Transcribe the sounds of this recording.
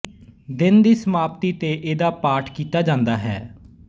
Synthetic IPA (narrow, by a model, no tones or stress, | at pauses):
d̪ɪnd̪iːsəmaːp̚t̪iːt̪eːʔeːd̪aːpaːʈʰkiːt̪aːd͡ʒãːnd̪aːɦɛ̰ː